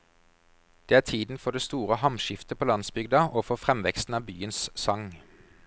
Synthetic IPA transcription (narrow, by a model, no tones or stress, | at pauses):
d̪̥eːæːt̪ʰiːd̪n̩fɔd̪eːst̪uːʁəhɑmʃɪft̪əpʰoːlɑnsbʏɡd̪ɑʔoːfɔfʁɛmʋɛkst̪n̩ɑːbyːənssɑŋ